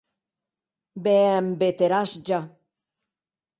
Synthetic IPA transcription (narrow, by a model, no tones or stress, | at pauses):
beembet̪eɾasd͡ʒa